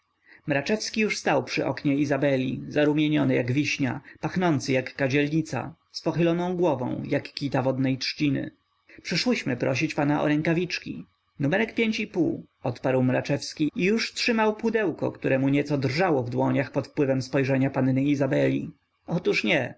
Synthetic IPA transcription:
mɾat͡ʂɛfskʲijuʂst̪awpʂɘʔɔkɲɛizabɛlʲḭzaɾumʲjeɲɔnɘjaɡvʲiɕɲa̰paxnɔnt̪sɘjakːad͡ʑɛlɲit̪sa̰ | spɔxɘlɔnɔ̃w̃ɡwɔvɔ̰̃w̃jakːʲit̪avɔd̪nɛjtʂt͡ɕinɘ̰ | pʂɘʂwɔɕmɘpɾɔɕ̬it͡ɕpanaʔɔ̰ɾɛŋkavʲit͡ʂkʲḭ | numɛɾɛkpʲjeɲt͡ɕipu | ɔt̪paɾwmɾat͡ʂɛfskʲiijuʂtʂɘmawpud̪ɛwkɔ̰kt̪uɾɛmuɲɛt̪sɔd̪rʐawɔvd̪wɔɲaxpɔt̪fpwɘvɛmspɔjʐɛɲapanːeizabɛlʲḭ | ɔt̪uʂɲɛ

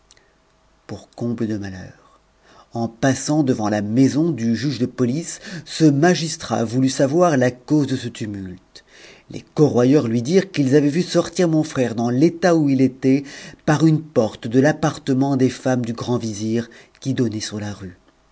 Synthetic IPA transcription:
puʁkɔ̃bləd̪əmalœːʁ | ɑ̃pasɑ̃d̪əvɑ̃lamɛzɔ̃d̪yʒyʒd̪əpɔlisːəmaʒist̪χa̰vulysavwaʁlakozd̪əsət̪ymylt̪ | lʔḛkɔʁwajœʁlɥid̪iʁkilzavɛvysɔʁt̪iʁmɔ̃fχɛʁd̪ɑ̃let̪auilet̪ɛpaʁynpɔʁt̪d̪əlapaʁt̪əmɑ̃d̪efamd̪yɡʁɑ̃viziʁ | kʲid̪ɔnɛsyʁlaʁy

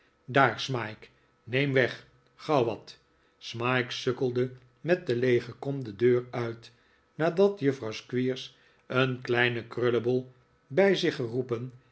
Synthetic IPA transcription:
daːɹsmajk | nejmʋɛχ | χɑwʋɑt | smajksøkəlˠdə | mɛt̚dəlejχəkɔmdədøːɹœɥt | naːdɑtjəfrɑwskʋiːɹs | ənklɛjnəkrøləbəlˠ | bɛjzɪχərupən

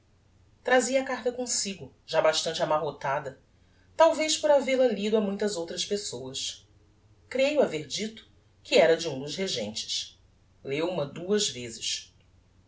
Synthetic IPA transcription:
t̪ɾaziɐakaɾt̪ɐkõsiɡʊ | ʒabaʃt̪ɐ̃t͡ʃɪamaɦot̪ad̪ɐ | t̪awveʃpʊɾavelɐlid̪ʊamũj̃t̪ɐzowt̪ɾɐʃpesowɐs | kɾejʊaveɾd͡ʒit̪ʊ̥ | kɪɛɾɐd͡ʒɪũd̪ʊʃɦeʒḛ̃nt͡ʃɪ̥ʃ | lewũmɐd̪uɐzvezɪʃ

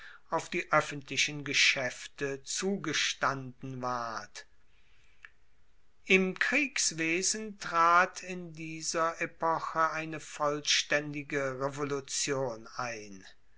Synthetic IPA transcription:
ʔaʊfd̥iːʔœfəntlɪʃənɡəʃɛftət͡suːɡəʃtandn̩vaɐɐt | ʔɪmkʁ̥iːksv̥eːzn̩tʁ̥aːtʰɪndiːzɐʔepɔxəaɪnəfɔlʃtɛndɪɡəʁevolut͡sjoːnaɪn

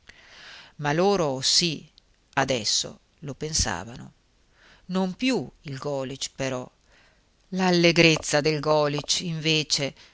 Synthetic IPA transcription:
maloːɾosi | ad̪ɛsːo̰ | lopensa̰ːvano̰ | nompjuilɡɔːlit͡ʃpeɾɔ | lalːeɡɾet̪sːad̪elɡɔːlit͡ʃiɱveːt͡ʃe

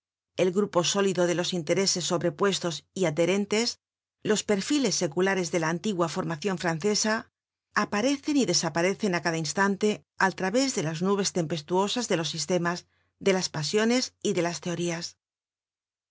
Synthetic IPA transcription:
e̞lɣɾupo̞so̞liðo̞ðe̞lo̞sint̪e̞ɾe̞se̞sːo̞βɾe̞pwe̞st̪o̞siað̚ðe̞ɾe̞nt̪e̞s | lo̞spe̞ɾfile̞sːe̞kulaɾe̞zðe̞laːnt̪iɣwafo̞ɾmaθjo̞ɱfɾanθe̞sa | apaɾe̞θe̞niðe̞sapaɾe̞θe̞nakaðainst̪ant̪e̞ | alt̪ɾaβe̞zðe̞laznuβ̞e̞st̪e̞mpe̞st̪uo̞sazðe̞lo̞sːist̪e̞maz | ðe̞laspasjo̞ne̞siðe̞last̪e̞o̞ɾias

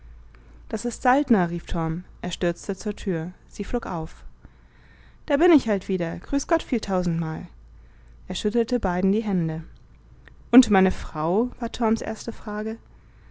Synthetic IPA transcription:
d̥asɪstz̥altnɐʁiːftʰɔɐmʔeːɐʃtʏɐt͡stət͡suːɐtʰyːɐz̥iːfloːkʔaʊf | d̥aːɐbɪnɪçhaltv̥iːdɐɡ̥ʁyːsɡ̥ɔtfiːltʰaʊzn̩tmaːl | ʔeːɐʃʏtl̩təbaɪdn̩diːɦɛndə | ʔʊntmaɪnəfʁ̥aʊv̥aːɐtʰɔɐmsʔḛːɐstəfʁ̥aːɡə

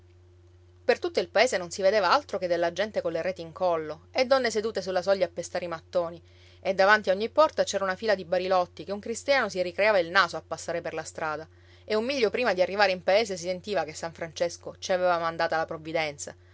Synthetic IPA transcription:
pert̪ut̪ːoilpaeːsenonsived̪eːvaalt̪ɾoked̪ːelːad͡ʒɛnt̪ekonlːeɾɛːt̪iŋkɔlːoed̪ːɔnːesed̪uːt̪esulːasɔʎːaːpːest̪aːɾimat̪ːoːni | ed̪ːavant̪iaoɲːipːɔrt̪at͡ʃɛːɾaunafiːlad̪ibaɾilɔt̪ːikeuŋkɾist̪jaːnosirikɾeaːvailnaːsoapːasːaːɾeperlast̪ɾaːd̪a | eumːiʎːopɾiːmad̪iarːivaːɾeimpaeːs̬esisent̪iːvakesːaɱfɾant͡ʃeskot͡ʃiavevamand̪aːt̪alapɾovːid̪ɛnt̪sa̰

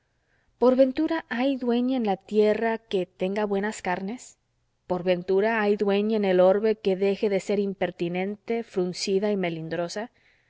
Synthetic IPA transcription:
po̞ɾβe̞nt̪uɾaʔajðwe̞ɲaenlat̪je̞rake̞t̪e̞ŋɡaβwe̞naskaɾne̞s | po̞ɾβe̞nt̪uɾaajðwe̞ɲaene̞lo̞ɾβe̞ke̞ðe̞xe̞ðe̞se̞ɾimpe̞ɾt̪inẽ̞nt̪e̞fɾunsiðaime̞lind̪ɾo̞sa

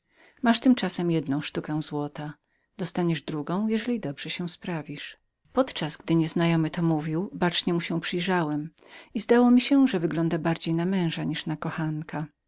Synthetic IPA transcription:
maʂt̪ɘmt͡ʂasɛmjɛd̪nɔ̃w̃ʂt̪ukɛ̃w̃zwɔt̪a | d̪̥ɔst̪aɲɛʐd̪ɾuɡɔ̃w̃jɛʐɛlʲid̪ɔbʐɛɕɛw̃spɾavʲiʂ | pɔt̪t͡ʂazɡd̪ɘɲɛznajɔmɘt̪ɔmuvʲiwbat͡ʂɲɛmuɕɛpʂɘjʐawɛm | izd̪awɔmʲiɕɛʐɛvɘɡlɔnd̪abaɾd͡ʑejnamɛ̃w̃ʐaɲiʂnakɔxankʰa

